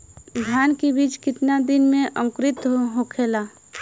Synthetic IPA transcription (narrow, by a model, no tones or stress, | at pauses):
d̪ʱjaːnkebiːt͡ʃkɪt̪nad̪ɪnmẽʔə̃mkɾɪt̪ɦoɦokʰeːla